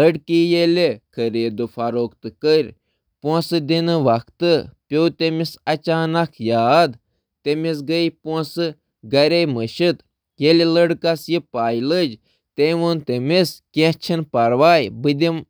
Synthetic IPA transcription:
ləɽkijelʲekʰəɾeːd̪ufɐɾoːkt̪ɨkəɾʲ | põsɨd̪inɨʋɐkʰt̪ɨpʲowt̪emisɐt͡ʃaːnɐkʰjaːd̪ | t̪emis̬ɡəjpɔ̃sɨ | ɡɐɾejməʃɨt̪ | jeleləɽkɐsjipaːjləd͡ʒ | t̪eʋunt̪emiskʲẽt͡ʃʰinpɐɾʋaːjbɨd̪ʲim

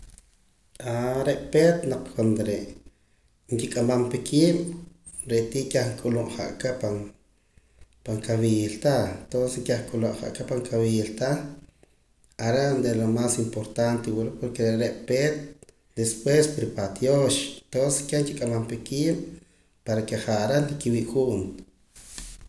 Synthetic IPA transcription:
aɾeʔpet̪naq͡χkʰwand̪oɾeʔ | ŋkikʼamampekʰiːɓ̥ | ɾeʔt̪iːkʲaχŋkʼuluʔχa̰ʔkapaŋ | paŋkawilt̪aent̪onsesŋkaχŋkʼuluʔχa̰ʔkapaŋkʰawilt̪a | aɾeʔnd̪elomasimpoɾt̪ant̪ewulupoɾkeɾɾeʔpet̪̚ | d̪espwespɾipat̪joʃent̪onse̥skʲeŋkikʼamampekiːm | paɾakeχaʔɾenlikiwiːʔxuːnt̪

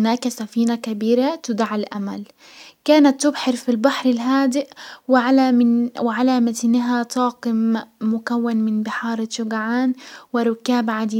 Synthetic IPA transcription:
naːkasafiːnakabiːɾat̪ʊd̪aʕalʔama̰l | kaːnat̪ːʊbħɑɾfilbaħɾɪlɦaːd̪ɪʔwɪʕalaɪwɪʕalamat̪nɪɦat̪ɑːqɪmːʊkawːanmɪnbɪħɑːɾˤʃʊɡaʕaːnwɪɾˤʊkːaːbʕad̪iː

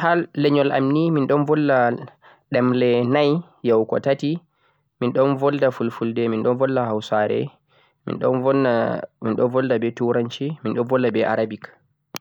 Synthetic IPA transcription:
halːɛɲɔlʔa̰mniminɗɔnvɔlːa | ɗɛmlɛnaj | jawkɔ̰tati | minɗɔnvɔldafulfuldɛminɗɔnvɔlːahawsaɾɛ̰ | mḭnɗɔnɔminɗɔnvɔldabɛtuɾaɲt͡ʃiminɗɔnvɔlːabɛʔa̰ɾabik

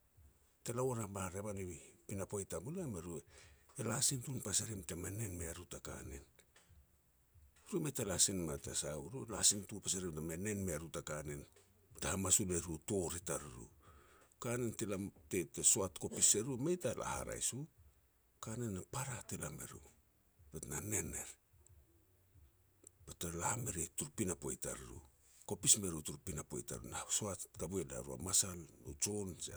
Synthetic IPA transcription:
telaoɾamaɾeβaniβipinapojtamulameɾueːlasintunpasaɾimtemene̞nmeaɾutaka̰ne̞̰n | ɾumejtalasinmatasauɾulasintupasaɾimtemene̞nmeaɾutakane̞n | tahamasuleɾuto̞ɾitaɾuɾṵkanentelate̞teso̞atko̞pise̞ɾumejtalʔa̰ha̰ɾa̰jsu | kanenːapaɾatelame̞̰ɾṵ | petnane̞ne̞ɾ | petalahameɾetuɾupinapo̞jta̰ɾuɾṵ | ko̞pisme̞ɾutuɾupinapo̞̰jta̰ɾṵnasoatkabueda̰ɾua̰masalno̰t͡ʃo̞nse

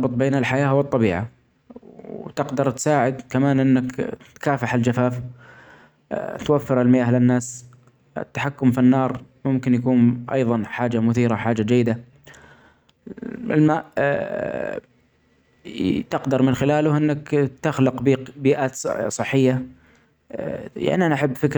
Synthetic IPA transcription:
bɨt̪ˤbeːnɪlħajaːwɨt̪ˤːɑbiːʕa | wt̪ɪqd̪ɑɾˤt̪saːʕɪd̪kamaːnʔɪnːɪkt̪kaːfaħɪld͡ʒafaːf | t̪wafːɪɾɪlmɪjʔahlɪnːaːs | ɪ̰t̪ːḁħakːʊmfinːɑːɾˤmʊmkɪnjakuːnʔɑ̰jðˤɑnħaːd͡ʒamʊθiːɾaħaːd͡ʒad͡ʒajːɪd̪a | ɪ̰lmaːʔ | t̪ɪqd̪ɑɾˤmɪnxɪlaːlʊʔɪnːakt̪axlɪqbiːqbiːʔaːt̪sˤɨħːɪjːa | ja̰ʕniʔanaʔaħabːfɪk

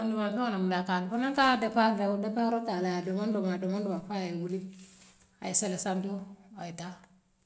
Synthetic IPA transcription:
andumafokanamulakadfonaŋkadapakdawudapaɾotalaadomandomadomandumafawuli | a̰jiselesandowajita

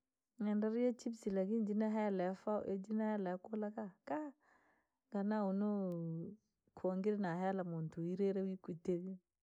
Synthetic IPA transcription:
ŋɛndaɾjet͡ʃibsilaɡind͡ʒinaɦɛlɛfaʔḛd͡ʒinahɛlɛkolakaka | ɡanauno | kʰoŋɡiɾnaɦɛlamuntuiɾeɾewikuteɡi

